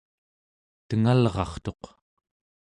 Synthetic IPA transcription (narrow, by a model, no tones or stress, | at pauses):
t̪əŋalʁɑ̰χt̪o̞q